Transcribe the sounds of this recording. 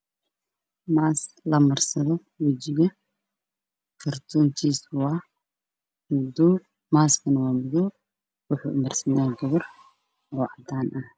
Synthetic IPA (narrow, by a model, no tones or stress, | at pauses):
maːs | lɐmɐrsɐðɔ | wɐd͡ʒɪɣɐ | fɐrt̪ʰuːnt̪ʰiːswaː | ʊd̪u | maːskʰɐnɐwaːmɪðɔ | wʊħṵʔmɐrsɐnaːɡɐβɔr | wɑʕd̪aːnʔɐh